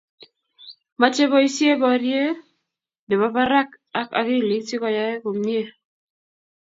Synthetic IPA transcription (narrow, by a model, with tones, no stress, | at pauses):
ma˨t͡ʃe˦bɔ˦i˦sje˦bɔ˨ɾje˦ | ne˨ba˨ba˦ɾa˦k | a˦ka̰˨kɪ˦˨li˨˦t͡ʃi˦kɔ˨ja˦e˦ko˨mɲje˦